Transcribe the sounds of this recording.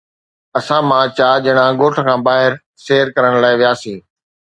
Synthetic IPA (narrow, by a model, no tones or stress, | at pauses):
ɐsãmãt͡ɕaːd͡ʑɐɦɪɽ̃ãɡoːʈʰə̆kʰãːbaːɦɪɾ | ʃeːɾkɐɾəɽ̃laːɪʋijaːsiː